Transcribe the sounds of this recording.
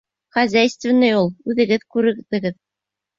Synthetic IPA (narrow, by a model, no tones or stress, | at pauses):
χæzʲæjst̪vɘ̆nːɘjulˠʉðɘ̆ɡɘðkʉɾɘ̆ðɘ̆ɡɘð